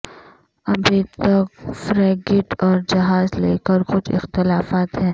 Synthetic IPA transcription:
ɐbʱit̪ɐkfɾɛːɡɪʈɔːɾd͡ʒɐɦaːzleːkəɾxʊt͡ʃʰɪ̰xt̪ɪlaːfaːt̪ɦɛ̃ː

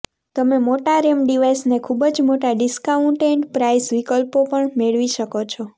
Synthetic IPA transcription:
t̪əmemoʈaɾemɖiʋajsnekʰubəd͡ʒmoʈaɖɪskauɳʈeɳʈpɾaisʋikəlpopəɳmeɭʋiʃəkot͡ʃʰɔ

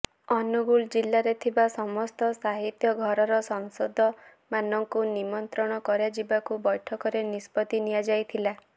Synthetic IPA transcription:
ɔnuɡuld͡ʒilːaɾet̪ʰibasɔmɔst̪ɔsaɦit̪jɔɡʱɔɾɔɾɔsɔŋsɔd̪ʱɔ | manɔŋkunimɔnt̪ɾɔɽ̃ɔkɔɾjad͡ʒibakubɔjʈʰɔkɔɾenispɔt̪inijad͡ʒajt̪ʰila

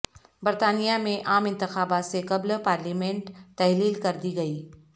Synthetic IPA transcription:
bɐɾt̪aːnijamẽʔaːmɪ̃nt̪ɪxaːbaːt̪sekɐblpaːɾliːmẽɳʈt̪ɛɦliːlkɐɾd̪iɡɐiː

